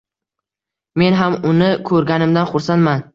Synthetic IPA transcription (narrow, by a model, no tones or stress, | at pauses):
me̞nɦamʊnɪkʰɵɾɡʲanɪmd̪anχʊɾsanman